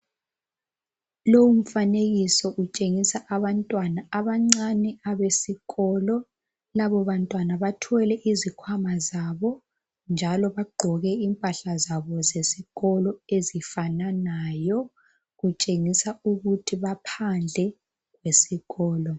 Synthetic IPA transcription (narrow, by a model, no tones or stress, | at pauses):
lowum̩faneɣisɔʔut͡ʃʼeŋisaʔaβantʼwanaːβaŋ͡ǀanɛaβesiɣɔːlɔ | laβɔβantʼwanaβatʰɛlɛʔizikʰwamazaβɔ | nd͡ʒʱalɔβaɡ͡ǃʱɔɣɛiːmpʼaɬazaβɔzesiɣɔlɔezifananajɔ | ɣut͡ʃʼeŋisauɣutʰiβapʰand͡ɮʱɛ | ɣwesiɣɔːlɔ